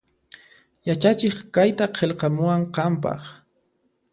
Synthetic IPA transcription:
jat͡ʃat͡ʃeχkajt̪aqʰelqɑmʊwaɴqɑmpɑ̰χ

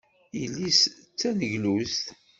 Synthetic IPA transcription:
jilːis | t͡sːænəʝlust̪

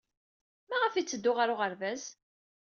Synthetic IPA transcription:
mæʁəfit͡sːəd̪ːʊʁaɾʊʁəɾvæs

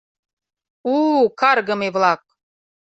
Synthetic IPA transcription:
ukɑrɣə̆meβlɑk̚

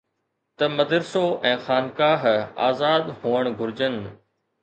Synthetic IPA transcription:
t̪ɐmɐd̪əɾsoʔɛ̃ːxaːnkaːɦa̰ːzaːd̪ɦuːəɽ̃ɡʱʊɾɪd͡ʑən

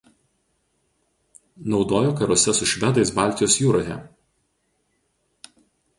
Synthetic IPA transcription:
nɒʊd̪oːjoːkɐɾɔːsʲɛsʊʃʲʋʲɛd̪ɐɪsbɑlʲt̪ʲɪjoːsjuːɾoːjɛ̰

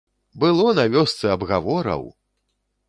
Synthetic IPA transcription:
bɨlˠɔnavʲɔst̪sɛɐbɣavɔɾɐ̰w

